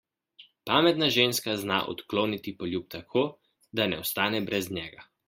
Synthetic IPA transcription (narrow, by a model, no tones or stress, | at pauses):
paːmɛt̪naʒeːnskazna̰ʔɔ̰t̪kloːnit̪ipɔljup̚t̪akʰoː | d̪anɛɔst̪aːnɛbɾɛznʲɛːɡa